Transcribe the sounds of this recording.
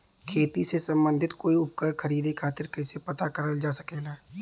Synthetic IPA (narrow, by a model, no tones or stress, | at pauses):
kʰeːt̪isesə̃mbə̃nd̪ʱɪt̪koːiʊp̚kəɽkʰəɾiːd̪ekʰaːt̪ɪɾkɛsepɐt̪akəɾəld͡ʒaːsə̥keːɡaː